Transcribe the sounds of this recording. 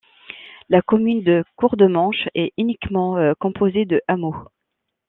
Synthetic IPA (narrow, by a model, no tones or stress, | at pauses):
lakɔmynd̪əkuʁd̪əmɑ̃ʃɛynikmɑ̃økɔ̃pʰozed̪əʔamo